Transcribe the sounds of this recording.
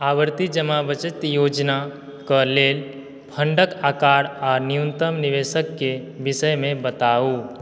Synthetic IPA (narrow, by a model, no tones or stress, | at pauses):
aːʋəɾt̪id͡ʒəmabət͡ʃət̪joːd͡ʒna | kəleːl | pʰə̃ɳɖəkaːkaːɾɔːɾnijunt̪əmniʋesəkːe | bisəjmẽbət̪aːu